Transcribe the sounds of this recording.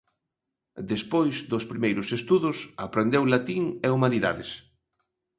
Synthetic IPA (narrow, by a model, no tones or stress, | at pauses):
d̪espojzd̪ʊspɾimejɾʊsest̪uðʊsapɾend̪ewlat̪iŋeumaniða̰ðɪs